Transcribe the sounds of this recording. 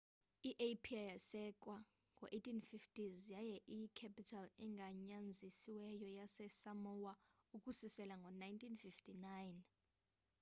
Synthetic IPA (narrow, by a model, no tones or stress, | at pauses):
iʔepʰiajasɛk̬ʼwa | ŋɡʱɔʔetʰinfiftʰʼizijajɛʔikʰɛpitʰalɛŋɡʱaɲand͡zʱisiwɛjɔjasɛsamɔwaukʼusisɛlaŋɡʱɔnajntʰinfiftʰʼinajn